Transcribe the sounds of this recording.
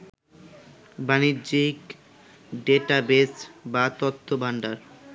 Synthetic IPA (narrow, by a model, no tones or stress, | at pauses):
banidd͡ʑik | ɖeʈabesbat̪ot̪ʰːobʱaɳɖaɾ